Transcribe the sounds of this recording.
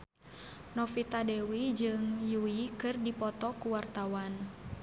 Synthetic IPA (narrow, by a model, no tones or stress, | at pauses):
nɔfit̪adɛwid͡ʒɨŋjuikɨrdipɔt̪ɔkuwart̪awan